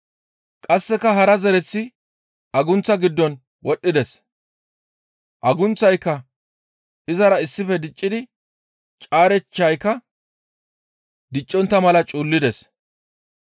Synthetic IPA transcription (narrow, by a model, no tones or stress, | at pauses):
kʼɐsːɛkːɐɦɐɾɐzɛɾɛt͡sːɪ | ʔɐɡʊnt͡sːɐɡɪd̪ːɔn | wɔɗːɪd̪ɛs | ʔɐɡʊnt͡sːɐjkːɐ | ɪzɐɾɐɪsːɪfɛd̪ɪt͡ʃʼːɪd̪ɪ | t͡ʃʼaːɾɛt͡ʃːɐjkːɐ | d̪ɪt͡ʃʼːɔnt̪ːɐmɐlɐt͡ʃʼuːlːɪd̪ɛs